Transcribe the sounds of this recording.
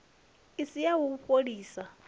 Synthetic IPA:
isijawuupʼoɺiːsa

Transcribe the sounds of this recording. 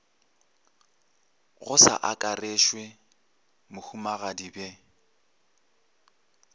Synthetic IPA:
ɣʊsa̰ʔakʼareʃwe | mʊhumaɣadibe

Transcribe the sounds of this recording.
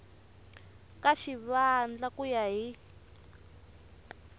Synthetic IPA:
kaʃiβand͡ɮakujaɦi

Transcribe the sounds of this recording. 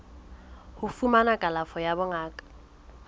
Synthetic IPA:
hʊfumanakʼalafɔjabʊŋaːkʼḁ

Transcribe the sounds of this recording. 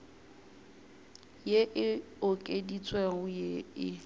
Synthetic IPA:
jeʔɪ | okʼedit͡sʼwɛŋʊjeɪ

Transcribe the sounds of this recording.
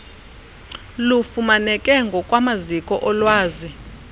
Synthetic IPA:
lufumanɛkʼɛŋɡʱɔkʼwamazikʼɔʔɔlwaːzi

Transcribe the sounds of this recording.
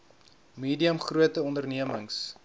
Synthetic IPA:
miːdiəmχruətəɔndərniəməŋs

